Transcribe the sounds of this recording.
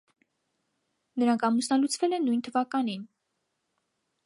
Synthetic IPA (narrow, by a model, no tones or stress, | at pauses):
nəɾɑŋkʰɑmusnɑlut͡sʰvɛlɛnːujnt̪ʰəvɑkɑnin